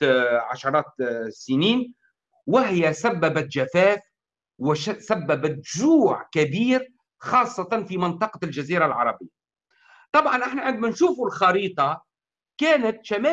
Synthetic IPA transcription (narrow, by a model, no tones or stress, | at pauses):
ʕaʃɑɾˤɑːt̪sɪniːn | wɪɦɪjasabːabat̪ʒafæːf | wɪsabːabat̪ʒuːʕkabiːɾ | xɑːsˤːɑt̪ɑnfimɪnt̪ˤɑqɑld͡ʒaziːɾalʕɑ̰ɾˤɑbɪjːa | t̪ˤɑbʕɑnʔɪħnaʕɪnd̪mænʃuːfulxɑɾiːt̪ˤɑ | kæːnat̪ʃamæː